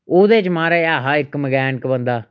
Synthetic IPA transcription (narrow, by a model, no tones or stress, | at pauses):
oːd̪eːt͡ʃmaːɾaːeaːɦaːɪkməɡɛːnkbənd̪aː